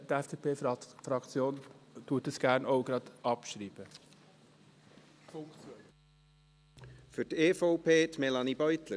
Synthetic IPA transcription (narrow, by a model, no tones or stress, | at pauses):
tɛfd̥eːpʰeːfɾɑkt͡sjoːntuːtəsɡ̥æːɾnoʊɡɾɑd̪ʔɑpʃɾiːb̥ə | fok | fydeːfoʊpʰeːt̪mɛlɑnibœʏt̪lə